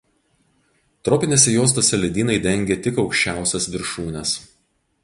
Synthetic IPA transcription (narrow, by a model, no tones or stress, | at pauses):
t̪ɾɔːpʲɪnʲeːsʲɛjoːs̬t̪oːsʲɛlʲɛd̪ʲiːnɐɪd̪ʲɛŋʲɡʲeːt̪ʲɪkɒʊkʃʲt͡ʃʲæˑʊsʲɛsʋʲɪɾʃuːnʲɛs